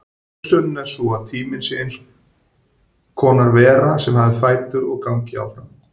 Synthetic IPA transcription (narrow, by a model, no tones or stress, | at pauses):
sœnʏnɛɾ̥suaðt̪ʰiːmɪnsɪejns | kʰɔːnaɾvɛːɾasɛmɦavɪfaːjt̪ʏɾɔɣkawŋcɪa̰wfɾam